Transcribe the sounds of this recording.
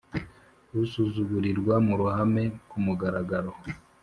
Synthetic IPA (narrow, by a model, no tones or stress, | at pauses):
ɾusuzuɡuɾiɾɡwamuɾuhame̞kumuɡaɾaɡaɾo